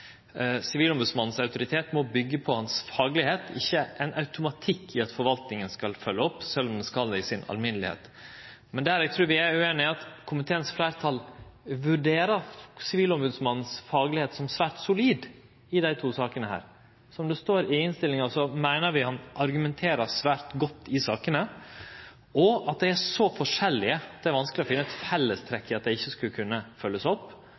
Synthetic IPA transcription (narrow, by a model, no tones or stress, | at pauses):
sɪʋiːlɔmbʉd̪smɑnn̩sɑʉt̪ʊɾɪt̪ʰeːt̪mɔbʏɡːəpʰɔhɑnsfɑːɡlɪheːt̪ʰɪ̰çːəʔɛnɑʉt̪ʊmɑt̪ʰɪkʰːɪɑt̪fɔɾʋɑlt̪nɪŋənskɑlfœlːəɔpːsɛlːɔmd̪ɛskɑld̪ɛɪsɪnɑ̰lmɪnəlɪhḛːt̪ | mɛnd̪ææɾɛɡ̚t̪ʰɾʉːɾʋɪæɾʉeːnɪɑt̪kʰʊmɪt̪ʰeːənsflæɪɾt̪ʰɑlʋʉɖeːɾəɾsɪʋiːlɔmbʉːd̪smɑnn̩sfɑːɡəlɪheːt̪sɔmsʋæːɾʈsʊliːd̪ | ɪd̪æɪt̪ʰuːsɑːkənəhæ̰ːɾ | sɔɔmd̪ɛst̪oːɾɪɪnst̪ɪlːɪŋɑsɔmæɪnəɾʋɪhɑnʔɑɾɡʉmɛnt̪ʰeːɾəsʋæːɾt̪ɡɔt̪ʰːɪsɑːkənə | ɔɑt̪̚d̪æɪæsɔfɔʂɛlːɪəɑt̪d̪ɛæɾʋɑnsklɪɔfɪnːəɛt̪fɛlːəst̪ʰɾɛkːɪɑt̪̚d̪æɪɪçːəskʉlkʰʉnːəfœlːəsɔpː